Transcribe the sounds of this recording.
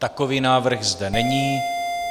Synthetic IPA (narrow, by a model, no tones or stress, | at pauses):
t̪akoviːnaːvr̩ɣzdɛnɛɲiː